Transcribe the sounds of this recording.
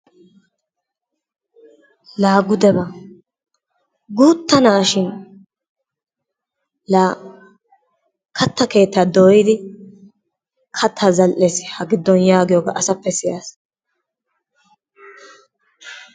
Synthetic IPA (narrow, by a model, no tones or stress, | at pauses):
laːɡʊd̪ɛbɐ | ɡuːt̪ːɐnaːʃɪn | laː | kɐt̪ːɐke̞ːt̪ːaːd̪oːjɪd̪ɪ | kʰɐt̪ʰːazɐlʔɛsɪ̥hɐɡɪd̪ːɔnjaːɡɪjoːɡɐ̰ʔɐsɐpːɛsɪjaːs